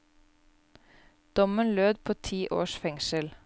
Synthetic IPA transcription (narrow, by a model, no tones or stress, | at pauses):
d̪̥ɔmənløːd̪pʰoːt̪ʰiːʔo̰ːʃfɛŋʃəl